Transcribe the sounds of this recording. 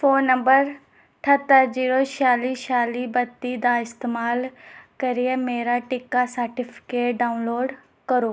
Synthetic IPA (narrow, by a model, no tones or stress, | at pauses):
foːnːɐ̃mbəɾ | ʈʰɐt̪ːəɾd͡ʒiːɾoʃaːliːʃaːlibɐt̪ːid̪aɪst̪eːmaːlkɐɾijemeːɾaʈɪkːasəɾʈɪfʰɪ̥keːʈɖaːʊnloːɖ | kɐɾoː